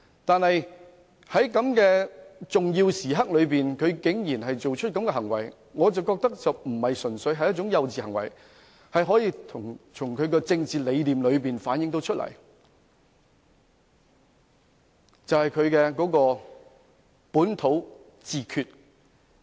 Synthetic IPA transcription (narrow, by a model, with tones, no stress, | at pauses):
t̪aː˨nhɐ˨j | hɐ˨˥jkɐ˨˥mkɛː˧t͡sʊ˨ŋjiː˧wsiː˨˩ɦɐ˥k̚lɵ˨˧ɥp̬iː˨nkʰɵ˨˧ɥkɪ˨˥ŋjiː˨˩nɦɐ˨jt͡so˨wt͡ʃʰɵ˥t̚kɐ˨˥mkɛː˧ɦɐ˨˩ŋwɐ˨˩j | ŋɔː˨˧t͡sɐ˨wkɔː˧k̚t̪ɐ˥k̚t͡sɐ˨wm̩˨˩hɐ˨jsɵ˨˩nsɵ˨˧ɥɦɐ˨jɐ˥t͡ʃʊ˨˥ŋjɐ˨˧wt͡siː˨˩hɐ˨˩ŋwɐ̰˨˩j | hɐ˨jɦɔː˨˥jiː˧t̪ʰʊ˨˩ŋt͡sʰʊ˨˩ŋkʰɵ˨˧ɥkɛː˧t͡sɪ˧ŋt͡siː˨le˨˧jliː˨mlɵ˨˧ɥp̬iː˨nfaː˨˥njɪ˧˥ŋt̪o˨˧˥wt͡ʃʰɵ˥t̚lɐ̰˨˩j | t͡sɐ˨whɐ˨jkʰɵ˨˧ɥkɛː˧kɔː˨˥kɔː˧ | puː˨˥nt̪ʰo˨˥w | t͡siː˨kʰyː˧t̚